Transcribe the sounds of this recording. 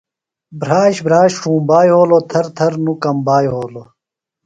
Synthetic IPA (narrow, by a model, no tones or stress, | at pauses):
bɾaːɕbɾaːɕʂũːbaːjɦoːlot̪ʰɐɾt̪ʰɐɾnukɐmbaːjɦoːlo